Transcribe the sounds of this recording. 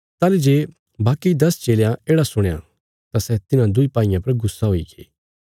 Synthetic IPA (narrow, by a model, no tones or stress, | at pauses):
t̪aːlid͡ʒeː | baːkid̪ɐst͡ʃeːljãeːɽasʊɽ̃jã̰ | t̪asɛt̪ɪnãd̪ʊipaːɪjãpɐɾɡʊsːaɦoiɡḛː